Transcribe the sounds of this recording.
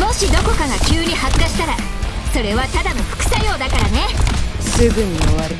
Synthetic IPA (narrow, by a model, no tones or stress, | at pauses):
mo̞ɕid̪o̞ko̞kaɡakʲɨːɲ̟ihakaɕi̥t̪aɾaso̞ɾe̞βat̪ad̪ano̞ɸɯ̟̥kɯ̟̥sajo̞ːd̪akaɾane̞sɨɡɯ̟ɲ̟io̰βaɾɯ̟